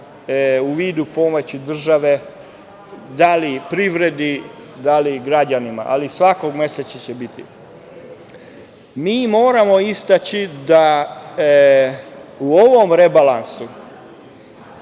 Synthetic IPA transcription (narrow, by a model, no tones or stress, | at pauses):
uʋiːd̪upo̞mot͡ɕid̪r̩ʒaʋe̞ | d̪alipɾiʋɾe̞d̪id̪aliɡɾad͡ʑanima̰ʔa̰lisʋako̞ɡme̞set͡ʃat͡ɕebit̪ḭ | miːmoːɾamo̞ist̪at͡ɕid̪a | uoʋo̞mɾebalansu